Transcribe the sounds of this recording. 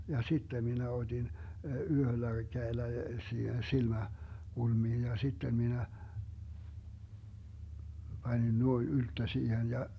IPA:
jɑ sitːem minæ od̥in yhølːæ kæelːæ siːhen silmæ kulmiːn jɑ sitːem minæ b̥ɑnʲin nuoin yltːø siːhen jɑ

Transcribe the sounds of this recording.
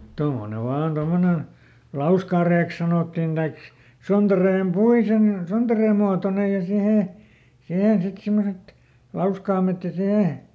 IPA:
tomːone ʋɑːn tomːonen̞ lɑuskɑˑreːks sɑnoˑtːin d̥ɑik sontɑreːm puisen sontɑreːm muɑtonej jɑ siheˑ sihen sit simːoset lɑuskɑːmet jɑ siheˑ

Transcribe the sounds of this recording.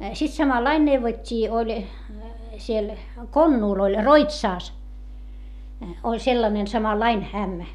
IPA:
sit sɑmɑlːɑin neuʋotʲːiː olʲ siel konːuːl olʲ roitsɑˑs olʲ selːɑnen sɑmɑlːɑin æmːæ

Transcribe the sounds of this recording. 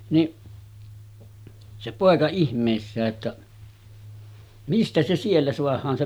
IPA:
niʔ se poˑekɑ ihmˑeˑisːæː tːæ mistæ se sielːæ soɑhˑɑːn se

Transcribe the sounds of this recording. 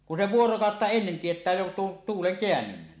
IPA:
kun se ʋuorokɑˑotːɑ enːen tietˑæː jo tuon tuːleŋ keænːynːænːi

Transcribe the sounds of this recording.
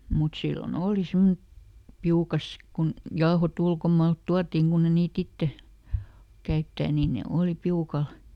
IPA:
mut silːon oːli simːonĕ piukɑs kun jɑohot ulkomɑːlt tuɑtːiŋ kunː e niːt itːe kæytːæː niːn ne oːli piukɑl

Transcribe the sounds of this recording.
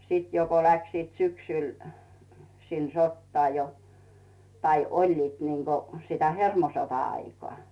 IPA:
siːt jo ko læksiːt syksyˑl sin sotːɑː jo tɑi olʲliːt niŋɡ̊o sitæ hermosotɑɑikoɑ

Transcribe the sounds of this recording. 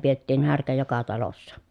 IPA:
pietːiːn hærkæ jokɑ tɑlosːɑ

